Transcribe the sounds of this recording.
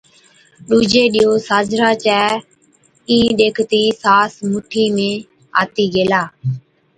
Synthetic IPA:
ɗuːd͡ʒeːɗɪːjoːsaːd͡ʒɾaːt͡ʃɛː | ĩːɗeːkʰt̪iːsaːsmʊʈʰiːmẽː | a̰ːt̪iːɡeːlaː

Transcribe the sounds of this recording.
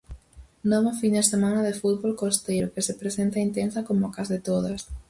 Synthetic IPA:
nɔβofind̪esemanɐðefut̪̚βolkost̪ejɾʊkesepɾesent̪aint̪ensakomokazðɪt̪oðɐs

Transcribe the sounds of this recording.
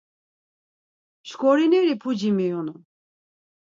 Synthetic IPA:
ʃkʰɔɾinɛɾipʰud͡ʒimijɔnu

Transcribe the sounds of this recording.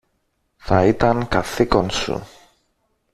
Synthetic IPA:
θɐit̪ɐŋkɐθiko̞nsṵ

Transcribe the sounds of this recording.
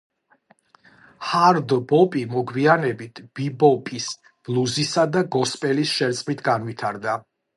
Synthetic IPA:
haɾd̪bɔpʼimɔɡwianɛbit̪ʰb̥ibɔpʼis | b̥lˠuzisad̪aɡɔspʼɛlisʃɛɾt̪sʼmit̪ʰɡanvit̪ʰaɾd̪a

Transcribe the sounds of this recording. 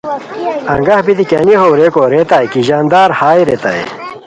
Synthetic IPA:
ɐ̰ŋɡɐhbit̪ikeniɦowɾeːkoːɾeːt̪aːjkiʑaːnd̪aːɾhaːjɾeːt̪a̰ḛ

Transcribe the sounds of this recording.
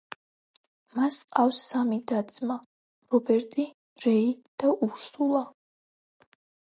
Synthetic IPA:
masqʼafsːamid̪at̪sʼma | ɾɔbɛɾt̪ʼi | ɾɛid̪̥aʔuɾsulˠa

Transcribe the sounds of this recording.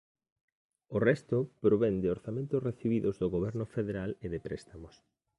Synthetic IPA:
orɛst̪opɾoβend̪ɪoɾθamẽnt̪ʊsreθiβiðozðoɣoβ̞ɛɾnʊfeðeɾaleðepɾɛ̰st̪amos

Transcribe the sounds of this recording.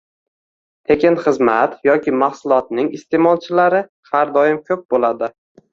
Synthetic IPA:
t̪ʰe̞kʲɪnχɨzmat̪jɒkʲʰɪmaχsʊlˠɒt̪̚nɪŋɪst̪ʰe̞mɒlˠt͡ʃʰɪlaɾɪ | haɾd̪ɒjɪmkʲʰɵp̚bolad̪ɪ

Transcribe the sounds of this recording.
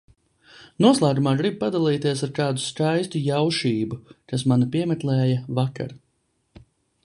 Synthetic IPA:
nuɔslˠaːɡumaːɡɾib̚pad̪alˠiːt̪iɛsaɾkaːd̪uskajst̪ujawʃiːbukas̬manapiɛmɛt̪lɛːjavaka̰ɾ

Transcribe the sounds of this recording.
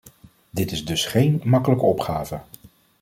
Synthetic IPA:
dɪtɪzdɵsχejnmɑkələkəɔpχaːvə

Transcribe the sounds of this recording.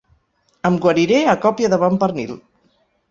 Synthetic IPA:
əmɡwəɾiɾeakɔpjəðəβampəɾnḭl

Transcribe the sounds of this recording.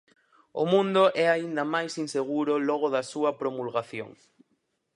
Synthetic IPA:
ʊmũnd̪ʊʔɛaind̪ɐmajsinseɣuɾʊlɔɣ̞ʊðɐsuɐpɾomulɣaθjo̰ŋ

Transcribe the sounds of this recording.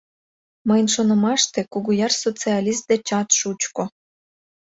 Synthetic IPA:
məjnʃonə̆mɑʃt̪ekuɣujɑrsot͡siɑlʲist̪̚d̪et͡ɕɑt̪ʃut͡ɕko

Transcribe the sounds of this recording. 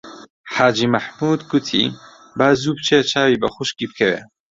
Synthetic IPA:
ħaːd͡ʒiːmaħmuːd̪ɡʊt̪ʰḭ | baːzubt͡ʃʰet͡ʃʰaːwibɐxʊʃkiːb̚kʰɐwḛ

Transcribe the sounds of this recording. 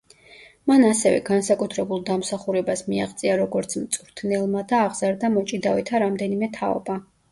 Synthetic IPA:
manasɛvɛ̰ɡansakʼut̪ʰɾɛbulˠd̪amsaχuɾɛbasmia̰ʁt̪sʼiaɾɔɡɔɾt̪sʰmt̪sʼɾt̪ʰnɛlˠmad̪aːʁz̥aɾd̪amɔt͡ʃʼid̪avɛt̪ʰaɾamd̪ɛnimɛt̪ʰaɔ̰ba

